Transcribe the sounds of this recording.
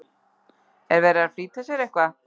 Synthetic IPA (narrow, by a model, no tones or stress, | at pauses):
ɛɾvɛɾaɾfɾit̪ʰːɛsɛɾɛhkva